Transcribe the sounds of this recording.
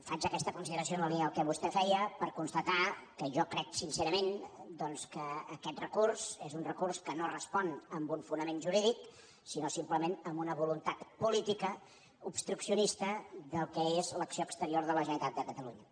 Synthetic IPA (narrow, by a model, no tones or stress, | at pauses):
fat͡ʃəkɛst̪əkunsiðəɾəsijonəliəlˠkɛβ̞ust̪ɛfɛjəpəɾkunst̪ət̪akəʒɔkɾɛksinseɾəmend̪ɔnskəːkɛt̪̚rəkursezunrəkurskənorəspɔnəmbuɱfunəmenʒuɾiðik | sinosimpləmenəmbunəβulunt̪at̪pulit̪ikə | upst̪ɾuksiunist̪əðəlˠkɛezləksioəkst̪əɾioɾðələʒənit̪at̪̚d̪əkət̪əluɲə